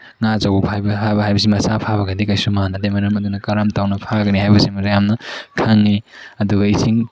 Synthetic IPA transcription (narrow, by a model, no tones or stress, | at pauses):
ŋazɐwubhajbɐhabɐɦajbɐs̬imɐsapʰaβɐɡɐdikɐjsumanɐdemɐɾɐmɐdunɐkɐɾɐmtawnɐpʰaɡɐniɦajbɐsimɾjamnɐkʰaŋːiɐduɡɐisiŋ